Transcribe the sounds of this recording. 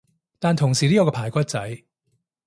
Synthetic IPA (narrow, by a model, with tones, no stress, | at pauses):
t̪aː˨nt̪ʰʊ˨˩ŋsiː˨˩li˥ɔ˨˧˥kɔ˧pʰaː˨˩jkʷɐ˥t̚t͡sɐ˨˥j